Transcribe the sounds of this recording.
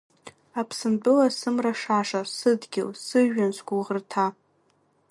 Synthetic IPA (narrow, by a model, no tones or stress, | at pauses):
apʰsɨmbɨlasɨmraʂaʂasɨdɡʲɪ̰lsɨʒansɡʷʊʁərtʰa